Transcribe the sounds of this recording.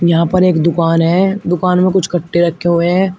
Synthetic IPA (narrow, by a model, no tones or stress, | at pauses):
jɐɦãpɐɾeːkd̪ʊkaːnɦɛːd̪ʊkaːnmẽkʊt͡ʃʰkɐʈːeɾɐkʰːeɦʊeɦɛ̃ː